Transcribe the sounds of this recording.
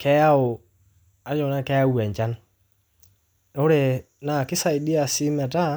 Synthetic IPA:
kɛ˦a˦o˨ | a˨jɔ˨na˦kɛ˦a˦wɛ˨ɲt͡ʃa˦n | o˦ɾe˨ | na˨kɪ˦sa˨i˨di˦a˨si˦mɛ˨ta˦

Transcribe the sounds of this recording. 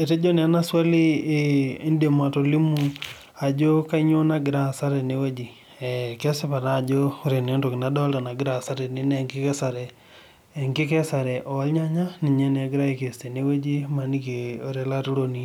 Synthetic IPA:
e˨te˦d͡ʒo˦ne˨a˦na˦swa˦liː˦ | ndema˨to˨li˦mu˨ | a˨d͡ʒo˦ka˦ɲo˦na˦ɡɪ˨ɾa˦˨sa˦ɾɛ˨ne˦we˦d͡ʒi˨ | ɛkɛ˦sɪ˦pa˨ɾa˦˨d͡ʒo˦o˦ɾe˨ne˨˦nto˨kɪ˨na˦dɔ˦lta˨na˨ɡɪ˦ɾa˨sa˦ɾɛ˨ni˦nɛ˨ŋkɪ˦kɛ˦sa˨ɾɛ˨ | ŋɡɪ˦kɛ˦sa˨ɾɛ˨ʔo˨a˦lɲa˦ɲa˦ni˨ɲɛ˦nɛ˨ɡɪ˦ɾa˦ike˨ste˨ne˦we˦d͡ʒi˦ma˨ni˦ke˨o˨ɾe˨la˦tu˦ɾo˦ni

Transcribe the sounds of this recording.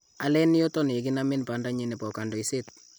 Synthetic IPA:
a˨lɛ˦ni˦jo˦tɔ˦ni˨k̬i˦na˦mɪ˦npa˦nda˦ɲi˦ne˨pɔ˨ka˨ndo˨i˨se˦t̚

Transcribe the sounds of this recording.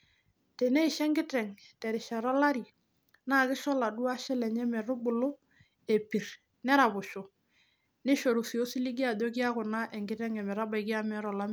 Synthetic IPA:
te˨ne˦i˨ʃɛ˦ŋɡɪ˦tɛ˨ŋtɛ˨ɾɪ˨ʃa˨ɾɔ˦la˦ɾi˨ | na˦˨kɪ˦ʃɔ˦la˨du˦a˦ʃɛ˦lɛ˨ɲɛ˦mɛ˨ɾʊ˦bʊ˨lʊ˦ | e˨pi˨ɾ | nɛ˦ɾa˨bʊ˨ʃo˨ | nɪ˦ʃo˨ɾu˨si˨o˦si˦li˦ɡi˦a˨do˦ki˦a˦kʊ˨na˦ʔɛ˨ŋɡɪ˦tɛ˦ŋɛ˨mɛ˨ɾa˦ba˨ɪ˨kɪ˦a˦mɛ˦˨˦ɾɔ˨la˦m˦

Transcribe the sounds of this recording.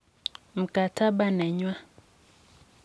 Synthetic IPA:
m̩˨ka˨tʰa˦ba˦nɛ˨ɲwa˦

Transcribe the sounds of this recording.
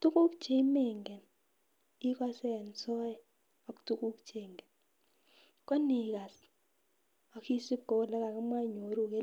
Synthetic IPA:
tu˦ku˦kt͡ʃe˦i˦me˦˨ŋɡɛ˨n | i˦kwa˦sɛ˦˨nsɔ˦jɛ˨ | ɔ˨ktu˦ku˦kt͡ʃe˨ŋɡɛ˨n | kwa˦ni˨ka˨s | ɔ˨ki˦si˦ɡo˨˦˨lɛ˦ka˨kɛ˦mwa˦˨ɲo˨ɾu˨ke˦

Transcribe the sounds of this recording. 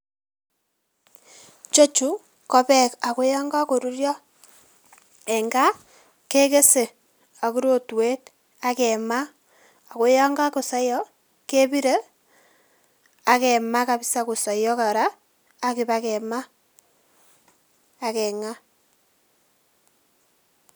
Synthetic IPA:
t͡ʃo˦t͡ʃu˨ | kɔ˦pɛ˦ka˨ko˦ja˦ŋɡa˦ko˨ɾu˦rjɔ˦ | ɛ˨ŋɡa˦ | ke˦ke˦se˨ | a˨ku˦ɾo˦˨twe˦t̚ | a˦kɛ˨ma˦ | a˨ko˦ja˦ŋɡa˦ko˨sa˦jɔ˦ | ke˦bi˦ɾe˦ | a˨kɛ˨ma˦ka˨bi˦sa˨ko˨sɔ˨jɔ˦ka˨ɾaː˦ | ki˨ba˦kɛ˨ma˦˨ | kɛ˨ŋa˦

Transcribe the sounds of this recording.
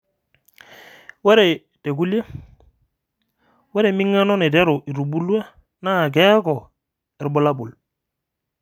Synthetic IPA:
wɛ˦ɾɛ˨ | te˨ku˦le˦ | wɛ˦ɾɛ˨mi˦ŋːa˦nɔ˦nɛ˨tɛ˦ɾu˨ʔi˨ɾu˨bu˦lwa˦ | na˦˨k̬ɛ˦kɔ˨ | ɛ˨ɾbɔ˦la˦bu˨l

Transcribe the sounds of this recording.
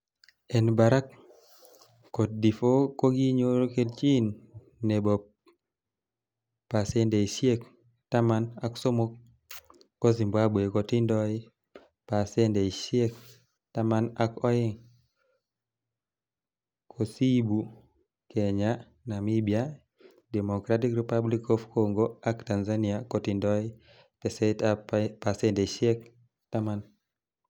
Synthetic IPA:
ɛ˨nba˨ɾa˦k | o˨t̚di˨fo˦ko˦ɡi˦ɲo˦ɾo˦ke˦dt͡ʃi˦nː | e˨bo˨ | pa˨se˦nde˨i˨ʃje˦k | ta˦ma˦na˨kso˦mo˦k̚ː | o˦zi˨mbwa˦be˨kɔ˨tɪ˦ndɔ˦ɪ˦ | pa˨se˦nde˨i˨ʃje˦k̚ | ta˦ma˦nakɔ˦ɪ˦ŋ | kʰo˨si˦bu˨ | ke˨ɲa˦ | na˨mi˦bia | de˨mo˨kɾa˦ti˦kɾi˨pa˦bli˦kɔ˦fkoŋɡo˦a˦kta˨nza˦niakɔ˨ti˨ndɔ˦ɪ˦ | ɛ˨sɛapa˨sɛ˦nde˨ʃe˦k̚ | ta˦ma˦n

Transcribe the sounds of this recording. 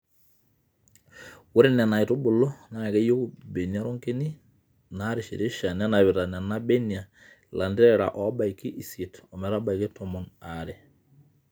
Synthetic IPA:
wo˦ɾe˦nɛ˨na˨i˨to˦bʊ˨lɔ˦na˨kɛ˦jo˦ku˨be˨ni˨a˦ɾo˦ŋke˦ni˦ | na˦ɾe˨ʃḭ˨ɾe˦ʃa˨n˦a˦na˨βɪ˨ɾa˨na˨na˦be˦ni˨a˨ | lʔa˨nde˦ɾɛ˨ɾa̰˨ʔɔ˨˦ba˨ikːi˦ʔi˨se˨tɔ˨mɛ˨ɾa˦ba˨i˨ke˦tɔ˨mɔ˨naɾɛ˨

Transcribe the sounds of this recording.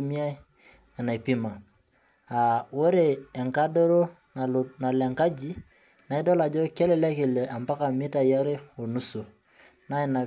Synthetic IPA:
mi˦a˦i˦ | a˨na˨i˨pi˦ma˨ | a˨wo˦ɾe˨ɛ˨ŋka˦do˦ɾo˦ | n˨na˨lɛ˨ŋka˦d͡ʒi˦ | na˨i˦dɔ˦la˨d͡ʒo˦kɛ˦lɛ˨lɛ˦ke˨lɛ˨a˨mpa˦ka˨mi˦ta˨ja˦ɾe˦o˨nu˦so˨ | na˦i˦˨na˨

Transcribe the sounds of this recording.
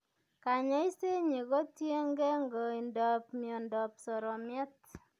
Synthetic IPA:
ka˨ɲa˦i˦se˦ɲi˨ɣɔ˦tje˦ŋɡe˦ŋɡɔ˨i˨ndɔ˨pmjɔ˨ndɔ˨psɔ˨ɾɔ˨mjɛ˦t̚

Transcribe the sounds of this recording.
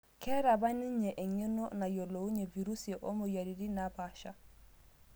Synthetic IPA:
kɛ˦ɾa˨ba˦ni˦ɲe˨ʔɛ˨ɲɛ˦nɔ˦na˨jo˨lo˨u˦ɲe˨vi˨ɾu˦seʔo˦mo˨ja˨ɾi˨di˦naba˨ʃa˦

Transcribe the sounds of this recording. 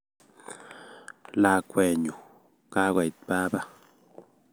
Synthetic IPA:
la˨kʷe˨ɲu˨ | ka˦wa˨jt̪̚pa˦ba˦

